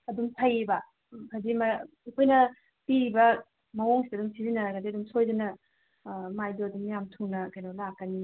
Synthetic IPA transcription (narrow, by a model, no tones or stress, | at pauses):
ɐduŋtʰajebɐ | hazima | kʰojnɐ | piɾibɐ | mɐwoŋsidɐdumsizinːɐɾɐɡadiɐdumsojdɐnɐ | majdoɐduŋmijamtʰuŋnɐkɐjnɔlakːɐni